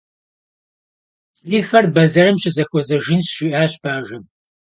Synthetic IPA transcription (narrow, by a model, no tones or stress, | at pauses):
liːfɐrbɐzɐɾɨmɕɪzɐxʷɔzɐʒinsʃiʔaːɕbaːʒɨm